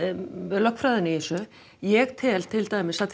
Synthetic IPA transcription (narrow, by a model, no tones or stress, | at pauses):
vɛðlœhkfɾaːðɪnɪisœ | jɛɣt̪ʰɛlt̪ʰɪlt̪aːjmɪsat̪